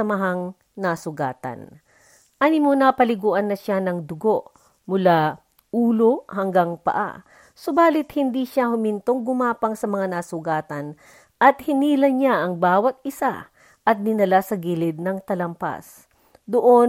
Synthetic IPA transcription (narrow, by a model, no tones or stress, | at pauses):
ɐmɐɦaŋ | nasʊɡaːt̪ɐ̰n | ʔanɪmonapɐlɪɡuːʔɐnːɐʃanɐŋd̪ʊɡo̞ʔ | mʊla | ʔuːlo̞hɐŋɡaŋpɐ̰ʔa̰ | sobaːlɪt̪̚hɪnd̪iʃahʊmɪnt̪oŋɡʊmaːpɐŋsɐmɐŋanasʊɡaːt̪ɐn | ʔɐt̪hɪniːlɐɲaʔɐŋbaːwɐt̪̚ʔɪsa̰ | ʔɐt̪̚nɪnɐlasɐɡiːlɪd̪̚nɐŋt̪ɐlɐmpa̰s | d̪oʔon